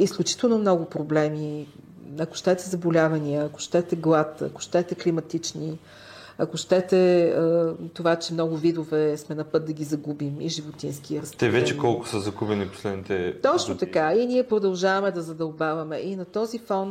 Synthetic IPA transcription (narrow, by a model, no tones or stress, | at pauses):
isklʲut͡ʃi̥t̪ɛlˠnomnɔɡʊpɾoblɛmi | ɐko̥ʃt̪ɛt̪ɛzɐbolʲavɐniəɐko̥ʃt̪ɛt̪ɛɡlˠat̪ɐ̰kʊ̥ʃt̪ɛt̪ɛklimɐt̪it͡ʃni | ɐkʊʃt̪ɛt̪ɛət̪ovat͡ʃɛmnɔɡʊvid̪ovɛsmɛnɐpɤt̪̚d̪ɐɡʲizɐɡubimiʒivot̪insk̟iəɾɐst̪ɛvɛt͡ʃɛkɔlˠkʊ̥səzɐɡubɛnipo̥slɛd̪nit̪ɛt̪ɔt͡ʃt͡ʃnot̪ɐkainiɛpɾod̪ɐlˠʒavɐmɛd̪ɐzɐd̪ɐlˠbavɐmɛʔinɐt̪ɔzifɔn